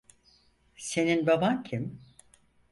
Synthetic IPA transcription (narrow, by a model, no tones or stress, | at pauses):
se̞ninbabancʰim